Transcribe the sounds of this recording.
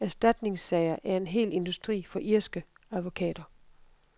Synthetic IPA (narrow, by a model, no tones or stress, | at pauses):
æɐsd̥æd̥ne̝ŋsːɛɪɐʔæɐe̝nɦe̝̰ːle̝nd̥usd̥ʁḭːfɒ̽ʔiɐ̰sɡ̥ə | æðˠʋo̝kʰɛ̰ːd̥ɐ